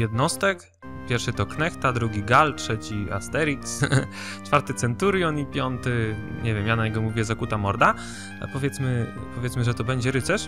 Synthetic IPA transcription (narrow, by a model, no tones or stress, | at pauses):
jɛd̪nɔst̪ɛk | pʲjɛɾfʂɘt̪ɔknɛxt̪ad̪ɾuɡʲiɡaltʂɛt͡ɕia̰st̪ɛɾʲiks | t͡ʂfaɾt̪ɘt̪sɛnt̪uɾjɔnipʲjɔnt̪ɘɲɛvʲjɛmjanaɲɛɡɔmuvʲijɛzakut̪amɔɾd̪a̰ | pɔvʲjɛt̪smɘ | pɔvʲjɛt̪smɘʐɛt̪ɔbɛɲd͡ʑɛɾɘt̪sɛʂ